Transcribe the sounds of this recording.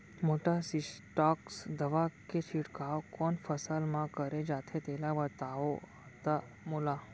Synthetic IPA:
moːʈasisʈaːksd̪əʋaket͡ʃʰiʈkaokɔːnfʰəsalmãkəɾed͡ʒaːt̪ʰet̪eːlabət̪ao | t̪a | mula

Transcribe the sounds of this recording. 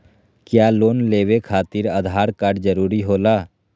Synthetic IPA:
kjaːloːnleːwekʰaːt̪ɪɾaːd̪ʱaːɾkaːɾɖd͡ʒəɾuːɾiɦoːlaː

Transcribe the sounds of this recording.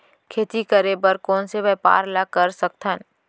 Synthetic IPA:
kʰeːt̪ikəɾebəɾkɔːnseʋɛːpa̰ːɾlakəɾsək̚t̪ʰən

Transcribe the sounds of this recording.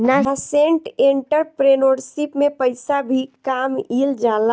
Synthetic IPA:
naasẽɳʈẽɳʈəɾpɾenoːɾsipmẽpəɪsabʱikaːmiːld͡ʒaːla

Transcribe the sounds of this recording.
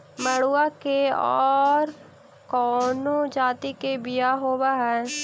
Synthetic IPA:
mɐɽuakeɔːɾ | kɔːnod͡ʒaːt̪ikebɪjaɦoːbaɦɛ̃

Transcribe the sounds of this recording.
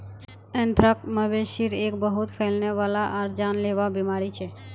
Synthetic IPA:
ɛ̃nt̪ʰɾək̚məʋeʃiɾekbəɦut̪kʰəlneʋalaʔaɾd͡ʒanleʋabimaɾit͡ʃʰe

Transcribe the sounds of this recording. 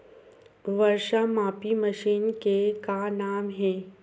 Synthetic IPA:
ʋɐɾʃamaːpiməʃiːnkekanaːmɦɛ̃ː

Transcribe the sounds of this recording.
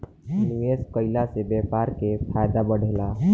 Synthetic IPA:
niʋeskəɪlasebɛpaɾkepʰajd̪abəɽ̤ʱela

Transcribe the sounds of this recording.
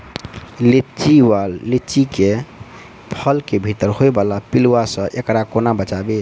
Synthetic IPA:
let͡ʃiwalːet͡ʃike | pʰəlkebʱit̪əɾhoebalapilwasə̃ʔekɾakonabət͡ʃabe

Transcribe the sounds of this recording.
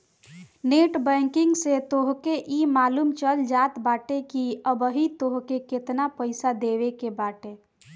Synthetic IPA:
neʈbɛ̃ŋkɪŋɡset̪oɦkeʔimaːlumt͡ʃəld͡ʒat̪baʈekiəbəɦit̪oɦkeket̪napəɪsad̪eʋekebaʈe

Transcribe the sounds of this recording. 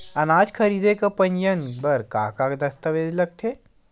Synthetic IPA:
ɐnaːd͡ʒkʰɐɾiːd̪ekapə̃nd͡ʒənbɐɾka̰ːkakd̪ɐst̪əʋeːd̪ləɡ̚t̪ʰe

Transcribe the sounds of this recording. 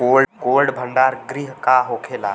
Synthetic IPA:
oːlkoːlɖbʱə̃ɳɖaːɾɡɾiɦkaɦoːkʰeːla̰ː

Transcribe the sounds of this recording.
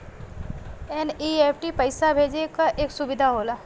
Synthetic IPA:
enieːpʰʈipɐɪsabʱeːd͡ʒekaʔeːksʊbɪd̪ʱaɦoːlaː

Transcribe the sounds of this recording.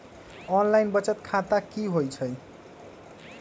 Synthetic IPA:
ʌnlajnbʌt͡sʌt̪kʰat̪akiɦojt͡sʰʌj

